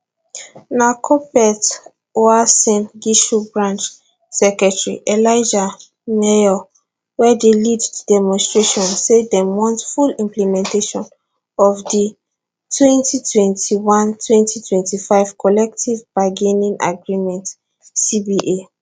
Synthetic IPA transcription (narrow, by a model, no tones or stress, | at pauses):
nakʰɔpɛt | oasɛ̃nɡiʃubɹãnt͡ʃ | sɛkɹɛtɹiʔɛlaɪd͡ʒa | mɛjɔ | wɛdelidtudɛmɔ̃nstɹeʃɔ̃nsedɛmwɔ̃ntfulĩmplɛmɛ̃nteʃɔ̃n | ɔvdi | tʰwɛ̃ntʰitʰwɛ̃ntʰiwãntʰwɛ̃ntʰitʰwɛ̃ntifaɪv̥kʰɔlɛk̚tʰivbaɡenĩnʔa̰ɡɹimɛ̃nt | sibiʔe